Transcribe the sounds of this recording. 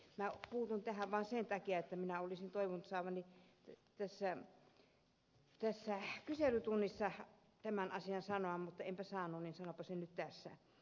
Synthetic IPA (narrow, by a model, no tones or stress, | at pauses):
mæpuːt̪unt̪æhæʋʋɑːnsent̪ɑkiɑet̪ːæminæolisint̪oiʋunt̪sɑːʋɑnit̪æsːæ | t̪æsːækyselyt̪unːisːɑ | t̪æmænʔɑsiɑnsɑnoɑmmut̪ːɑempæsɑːnːˑunninsɑnopːɑsennyt̪t̪æsːæ̰